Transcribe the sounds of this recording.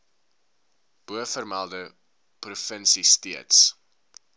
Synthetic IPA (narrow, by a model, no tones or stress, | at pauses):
b̥uəfərmælˠdə | prufənsistiəts